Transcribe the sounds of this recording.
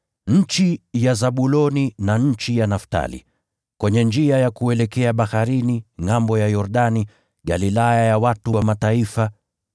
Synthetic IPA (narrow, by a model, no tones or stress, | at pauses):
ɲ̩t͡ʃijazaɓulɔninaɲ̩t͡ʃijanafta̰lḭ | kwɛɲɛnd͡ʒiajakuɛlɛkɛaɓahaɾiniŋambɔjajɔɾɗani | ɠalilajajawatuwamataifa